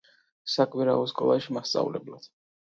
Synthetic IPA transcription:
sakʼwiɾaɔskʼɔ̰lˠaʃimast̪sʼa̰vlɛblad̪̥

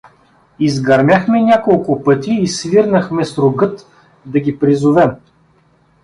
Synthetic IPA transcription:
izɡɐɾmʲjaxmɛnʲakolˠkʊpɤt̪ʲiːsviɾnəxmɛsɾʊɡɤt̪ | d̪ɐɡʲipɾizʊvɛm

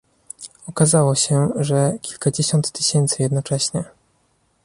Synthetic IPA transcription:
ɔkazawɔɕɛʐɛkʲilkad͡ʑeɕɔnt̪ːɘɕɛnt̪sɘjɛd̪nɔt͡ʂɛɕɲɛ

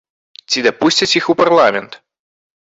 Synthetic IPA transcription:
t͡sʲid̪ɐpusʲt͡sʲɐt͡sʲixupɐrlˠamʲɛnt̪

